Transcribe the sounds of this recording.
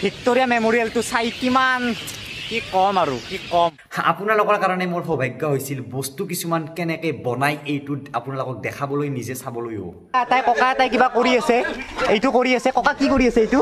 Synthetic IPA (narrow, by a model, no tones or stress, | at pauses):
bʱik̚toɹijamemoɹialtʊsajkiman | kikɔmaɹṵkikɔm | a̰pʊnalɔkɔɹkaɹɔnɛmoɹxɔbʱajɡːaɦojsilbostukisumankɛnɛkɛjbɔnajejtʊapʊnalɔkɔk̚dɛkʰabɔlojnizɛsabɔlojo̰ | atajkɔkatajk̬ibakoɹiasɛejtʊkoɹiasɛkɔkakikoɹiasɛejtʊ